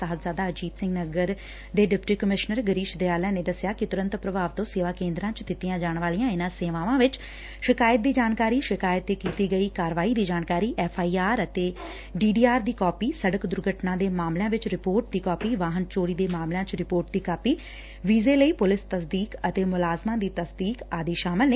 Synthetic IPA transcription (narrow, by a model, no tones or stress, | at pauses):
aɦət̪zaːd̪aːəd͡ʒiːd̪sɪ̃ŋɡnəɡəɾ | d̪eːɖɪpʈiːkəmɪʃnəɾɡəɾiːʃd̪eːaːlãːneːd̪əsjaːkɪt̪ʊɾə̃nt̪pɾəbaːʋt̪õːseːʋaːkẽːnd̪ɾãːt͡ʃd̪ɪt̪ijãːd͡ʒaːɳʋaːlijãːɪnãːseːʋãːʋãːʋɪt͡ʃ | ʃɪkaːjət̪̚d̪iːd͡ʒaːnkaːɾiːʃɪkaːjət̪eːkiːt̪iːɡəiːkaːɾʋaːiːd̪iːd͡ʒaːnkaːɾiːʔɛːpʰaːiːaːɾət̪eː | ɖiːɖiːaːɾd̪iːkɔːpiːsəɽəkd̪ʊɾɡʱəʈnãːd̪eːmaːmlejãːʋɪt͡ʃɾɪpoːɾʈd̪iːkɔːpiːʋaːɦənt͡ʃoːɾiːd̪eːmaːmlãːt͡ʃɾɪpoːɾʈ̚d̪iːkaːpiː | ʋiːzeːləiːpʊlɪst̪əsd̪iːkət̪eːmʊlaːzmãːd̪iːt̪əsd̪iːkaːd̪iːʃaːmɪlneː